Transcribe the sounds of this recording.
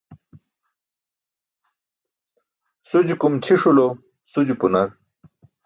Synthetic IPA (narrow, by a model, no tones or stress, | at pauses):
sud͡ʑukumt͡ɕʰiʂulo | sud͡ʑupunɐɾ